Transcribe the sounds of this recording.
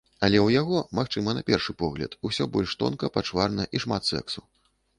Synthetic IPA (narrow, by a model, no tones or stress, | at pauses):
ɐlʲɛwjaɣɔmaxt͡ʂɨmɐnɐpʲɛrʂɨpɔɣlʲɐ̰t̪usʲɔbɔlʲʂt̪ɔ̰nkɐpat͡ʂvarnɐʔiʂmat̪sɛ̰ksu